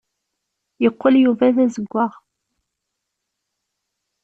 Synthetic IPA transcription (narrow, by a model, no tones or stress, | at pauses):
jəqːəljuvæðæzəɡʷːaʁ